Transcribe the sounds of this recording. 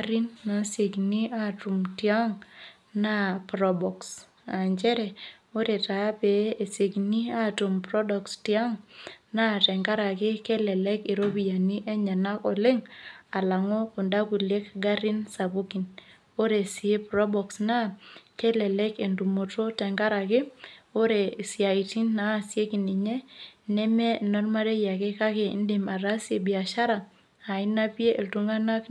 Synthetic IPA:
aɾi˦nːa˨se˨kni˦a˦tu˨mtia˦ŋ | na˦pɾɔ˦bɔ˨ks | a˨ɲt͡ʃɛ˦ɾɛ˨ | o˦ɾe˨ta˨˦pe˨e˨se˨kni˦a˦tu˨mpɾɔ˦dɔ˨kstia˦ŋna˦˨tɛ˨ŋɡa˦ɾa˨kɪ˦ke˦lɛ˨lɛ˦ki˨ɾo˦bi˨ja˨ni˦ʔe˦ɲa˨na˦kɔ˨lɪ˦ŋa˨la˨ŋo˦kʊ˨nda˦ku˨lje˦kɡa˦ɾi˦nsa˨bo˦ki˨n | o˦ɾe˨si˨e˦pɾɔ˦bɔ˨ksna˦kɛ˦lɛ˨lɛ˦ke˨ndu˨mo˨to˦tɛ˨ŋɡa˦ɾa˨kɪ˦o˦ɾe˨si˨a˨iti˦nːa˦˨sje˦ki˨ni˨ɲɛ˦nɛ˦mɛ˦˨nɔ˦rma˦ɾe˦ja˨ke˦ka˦ke˨ḭ˦nde˨ma˨ɾa˦sje˨bi˨a˨ʃa˦ɾaː˨ | i˦na˦pi˦e˦ʔe˨ltu˦ŋa˦na˦k

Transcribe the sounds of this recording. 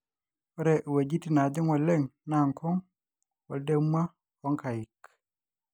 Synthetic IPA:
ɔ˦ɾɛ˨ʔwa˨d͡ʒi˦ti˨na˨d͡ʒɪ˦ŋwɔ˨le˦ŋna˨ŋkɔ˦ŋ | wɔ˨de˦ma˦ | ɔ˦ŋka˨ɪ˨k

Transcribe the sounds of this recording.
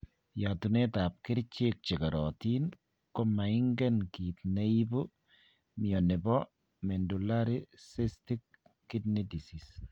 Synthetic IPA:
jatu˨ne˦ta˨p̚kɪ˦ɾt͡ʃe˦k̚t͡ʃe˨ka˨ɾɔti˦n | ko˦ma˨ɪ˦ŋɡɛ˦nkit̪ne˦i˦bu˦ | miɔ˨ne˨bɔ˦ | mɛ˨ndu˨la˦ɾi˦sesti˦kː | ɪ˦tni˦di˨sis

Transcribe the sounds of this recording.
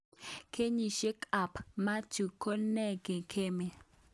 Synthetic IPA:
kʰe˦ɲi˨ʃe˦ka˨pma˦tu˨kʰo˦nɛ˦˨ɡe˨kʰe˦me˨

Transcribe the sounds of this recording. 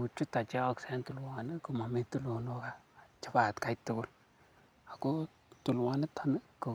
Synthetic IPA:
u˨t͡ʃu˦ta˨t͡ʃɛ˦ɔ˦ksɛ˦ntʊ˨lwa˨ni˦kʊ˨ma˨me˦tu˦lo˨no˦ka˨t͡ʃɪ˦ba˨tka˦jtʊ˦ɡʊ˦l | a˨ko˦ | tʊ˨lwa˨nɪ˦tʰa˨nə˦kʊ˨

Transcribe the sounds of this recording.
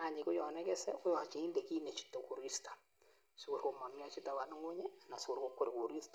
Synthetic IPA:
a˨ɲi˨kʊ˦jɔ˨nɛ˦kɛ˦sɛ̰˦kʊ˦jɔ˨t͡ʃi˨i˦nde˨ki˦ne˨t͡ʃi̥˦to˨ku˨ɾi˦stḁ˨ | su˦ku˨ɾko˨mɔ˨nm˦a˦t͡ʃi˦ta˨wa˨nu˦ŋo˦ɲɛ˦˨na˨sʊ˦ku˨ɾko˦kːo˦ɾku˨ɾi˦st

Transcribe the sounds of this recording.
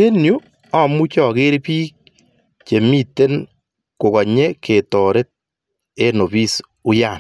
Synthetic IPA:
e˦nju˦ | a˦mu˦t͡ʃɔ˨ke˦ɾepiː˦k̚ | t͡ʃe˨mi˦te˦n | kʊ˨kɔ˨ɲe˦kʰe˨tɔ˨ɾe˦t̪̚ | e˦no˨bi˦s | ʊ˦ja˨n

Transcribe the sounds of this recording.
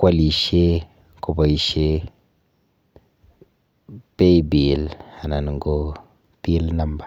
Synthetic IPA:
kʷa˦li˨ʃe˦ | ko˨ba˨i˨ʃe˦ | pe˦jbi˨lha˨na˨n˨ŋ˨ɡo˦ | pi˦lna˦mba˨

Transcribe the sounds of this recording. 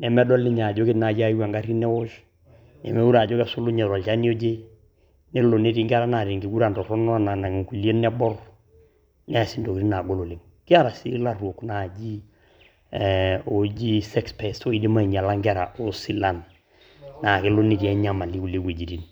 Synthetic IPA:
nɛ˨mɛ˦dɔ˦lɪ˦ɲa˨d͡ʒo˦ɡɪ˦tna˨d͡ʒi˦a˦wa˨ŋɡa˦ɾi˦nɛ˦wʊ˦ʃ | nɛ̰˨mɛ˦u˦ɾa˨d͡ʒo˦ɡɛ˦sʊ˦lʊ˦ɲɛ˨ɾɔ˨lt͡ʃa˦ni˦o˦d͡ʒe˦ | nɪ˦lʊ˨ne˦ɾi˦ŋɡa˦ɾa˦na˨ɾi˨ŋɡi˦ɡu˦ɾa˨ndɔ˨ɾɔ˦nɔ˦a˦˨na˨na˨ŋi˨ku˨li˦e˦nː˦ɛ˦bɔ˦r | nɛ˦a˨si˦ndo˨ki˨ɾi˦na˨ɡo˦lo˨lɪ˨ŋ | kɪ˦a˦ɾa˨si˦la˦ruo˨kna˨d͡ʒi˦ | o˦d͡ʒi˦sɛ˦kspɛ˨so˦i˦di˦ma˦i˨ɲ˨a˨la˦ŋɡa˦ɾa˨ʔo˦si˦la˦˨n | na˨kɪ˦lʊ˦ni˦ti˨ɛ˦ɲa˦ma˨li˦ku˨le˦ɡwe˨d͡ʒi˨ɾi˦n

